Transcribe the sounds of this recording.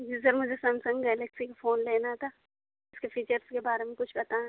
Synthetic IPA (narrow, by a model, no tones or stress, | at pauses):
d͡ʒizɐɾmʊd͡ʒʱesɐ̃nsɐ̃ŋɡɡɛːlɛksikafoːnleːnat̪ʰa | ɪskepʰiːt͡ʃəɾskebaːɾemẽkʊt͡ʃʰbɐt̪aɛ